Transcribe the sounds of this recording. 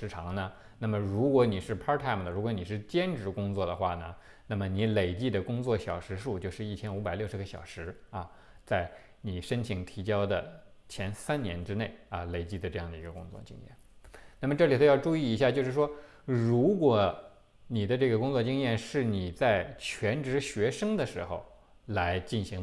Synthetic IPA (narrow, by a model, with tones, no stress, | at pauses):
ʂɻ̩˧˥ʈ͡ʂʰɑ˧˥ŋnə˧ | na˥˩mə˩ɻu˧˥kwɔ˧˥ni˨˩ʂɻ̩˥˩pʰɑ˥t̪ʰa˥˩md̪ə˩ɻu˧˥kwɔ˧˥ni˨˩ʂ̬ɻ̩˥˩t͡ɕjɛ˥nʈ͡ʂɻ̩˧˥kʊ˥ŋt͡swɔ˥˩d̪ə˩xwa˥˩nə˩ | na˥˩mə˩ni˧˥le˨˩ɪt͡ɕi˥˩d̪ə˩kʊ˥ŋt͡swɔ˥˩ɕjɑ˨˩ʊʂɻ̩˧˥ʂu˥˧t͡ɕjo˥˧ʊʂɻ̩˥˩i˥˩t͡ɕʰjɛ˥nu˧˥pa˨˩ɪljʊʂɻ̩˧˥ɡə˧ɕjɑ̰˨˩ʊʂɻ̩˧˥ɐ˧ | t͡sa˥˩ɪ | ni˨˩ʂə˥nt͡ɕʰi˧˥ŋt̪ʰi˧˥t͡ɕjɑ˥ʊd̪ə˨t͡ɕʰjɛ˧˥nsa˥nnjɛ˧˥nʈ͡ʂɻ̩˥ne˥˩ɪɐ˧˩le˨˩ɪt͡ɕi˥˩d̪ə˩ʈ͡ʂɤ˥˧jɑ˥˩ŋd̪ə˩i˧˥ɡə˧kʊ̰˥ŋt͡swɔ̰˥˩t͡ɕḭ˥ŋjɛ̰˥˩nna˥˩mə˩ʈ͡ʂɤ˥˩li˨˩t̪o˥ʊjɑ˥˧ʊʈ͡ʂu˥˧i˥˩i˧˥ɕja˥˧t͡ɕjo˥˧ʊʂɻ̩˥˩ʂwɔ˥ | ɻu˧˥kwɔ˧˨˩ | ni˨˩d̪ə˦ʈ͡ʂɤ˥˩ɡə˩kʊ˥ŋt͡swɔ˥˧t͡ɕi˥ŋjɛ˥˧nʂɻ̩˥˩ni˨˩t͡sa˥˩ɪt͡ɕʰɥɛ˧˥nʈ͡ʂɻ̩˧˥ɕɥɛ˧˥ʂɤ˥ŋd̪ə˨ʂɻ̩˧˥xo̰˧ʊ | la˧˥ɪt͡ɕi˥˩nɕi˧˥ŋ